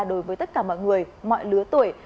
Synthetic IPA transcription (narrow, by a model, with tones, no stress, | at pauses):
ɗo˨˦jvəː˨˦jt̪ə˦˥t̚kaː˧˩mɔ̰˧˨jŋɨ˨˩əjmɔ̰˧˨jlɨ˨˦ət̪u˨˩əj